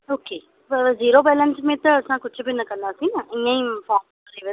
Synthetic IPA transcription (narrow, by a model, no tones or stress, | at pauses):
oːkeː | ziːɾoːbɛːlə̃nsmẽːt̪əəsãːkʊt͡ʃbinəkənd̪aːsinəɪ̃jãĩːfɔːmkɾeːʋə